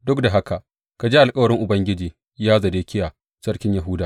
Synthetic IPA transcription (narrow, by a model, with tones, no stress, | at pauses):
dʊ˦kda˨ɦa˦ka˨ʔ | ka˨d͡ʒeː˦ʔa˨lkʼɐ˦wɐ˨ɽɪ˦ŋʔʊ˨bɐ˦ŋɡʲɪ˦d͡ʒiː˨ | jaː˦zɐ˨deː˦kʲɪ˦jaː˨ | sɐ˦rkʲɪ˦ɲja˨ɦʊ˦daː˨